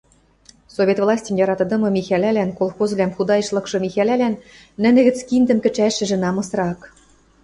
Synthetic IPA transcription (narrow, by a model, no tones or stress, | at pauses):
sovʲet̪vlˠɑsʲtʲĕmjɑɾɑt̪ɤ̆d̪ɤ̆mɤ̆mʲixælælænkolˠxozvlʲæmxud̪ɑjɤ̆ʃlˠɤ̆kʃɤ̆mʲixælælænː | ɘ̆nɘ̆ɣɘ̆t͡skind̪ɘ̆mkɘ̆t͡ɕæʃɘ̆ʒɘ̆nɑmɤ̆sɾɑk